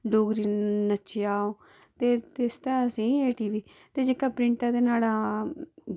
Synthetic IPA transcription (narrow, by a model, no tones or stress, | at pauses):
ɖoːɡɾiːnət͡ʃeaːoː | t̪eːt̪est̪ɛ̃ːəsĩːeːʈiːʋiː | t̪eːd͡ʒɪkːaːpɾɪɳʈãːd̪eːnaːlaː